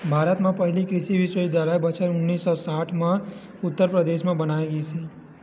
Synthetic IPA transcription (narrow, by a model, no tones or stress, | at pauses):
bʱaːɾət̪mãpəɦlikɾɪʃiʋɪʃʋed̪alabət͡ʃʰəɾʊnːiːsːɔsaːʈʰmã | ʊt̪ːəɾpɾəd̪eʃmãbənaeɡəisʰe